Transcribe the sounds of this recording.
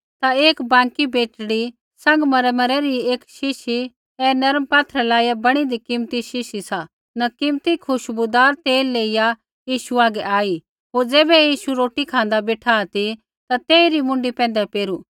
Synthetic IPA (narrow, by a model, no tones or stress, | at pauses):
t̪aeːkbãːŋkibeːʈɽi | sɐ̃ŋɡmɐɾmɐɾɛɾieːkʃɪʃi | ɛnɐɾəmpaːt̪ʰɾɛlaːijabɐɽ̃id̪ikɪmt̪iʃɪʃisa | nɐkɪmt̪ikʰʊʃbud̪aːɾt̪eːlːeːija | jiːʃuaːɡɛʔaːi | ɦoːɾd͡zɛːbɛjiːʃuɾoːʈikʰãːn̆d̪abeːʈʰaːt̪i | t̪at̪eːiɾimʊ̃ɳɖipɛ̃ːn̆d̪ɛpeːɾu